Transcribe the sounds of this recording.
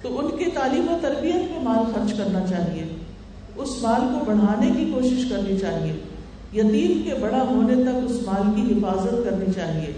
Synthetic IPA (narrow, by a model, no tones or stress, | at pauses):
t̪oʊnket̪aːliːmot̪ɐɾbijət̪̚memaːlxɐɾd͡ʒkɐɾnat͡ʃaːɦie | ʊsmaːlkobɐɽ̤aːnekikoːʃɪʃkɐɾnit͡ʃaːɦie | jɐt̪iːmkebɐɽaɦoːnet̪ɐkʊsmaːlkiɦɪfaːzət̪kɐɾnit͡ʃaːɦieː